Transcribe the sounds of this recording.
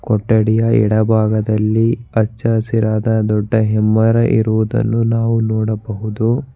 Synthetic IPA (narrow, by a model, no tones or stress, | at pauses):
kɔʈːɐɽijɐɛ̰ɽɐbʱaːɡɐd̪ɐlːiɐt͡ʃːɐsiɾaːd̪ɐd̪ɔɖːɐɦɛmːɐɾɐʔiɾuʋud̪ɐ̰nːunaːʋunɔːɽɐbɐɦud̪u